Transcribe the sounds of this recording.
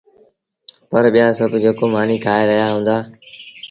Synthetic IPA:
pəɾɓijaːsəbʱd͡ʑeːkoːmaːniːkʰaːeɾəɦijaɦũːn̆d̪aː

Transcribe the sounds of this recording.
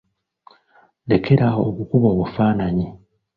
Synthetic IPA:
le̞kʰe̞ɾao̰βukuβoːβufaːnaɲi

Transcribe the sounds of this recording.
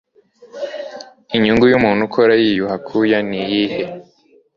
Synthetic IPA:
iɲuŋɡujumuːn̥hukʰoɾajijuhakʰujanijihe

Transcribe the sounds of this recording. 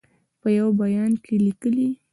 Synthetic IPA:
pəjawbajɑnkʰelikəli

